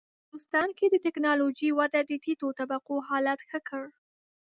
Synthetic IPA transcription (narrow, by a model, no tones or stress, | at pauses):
d̪ust̪ɑnked̪ət̪ɪknɑlod͡ʒiwad̪ad̪ət̪it̪ot̪abaqoɦɑlat̪xəkəɽ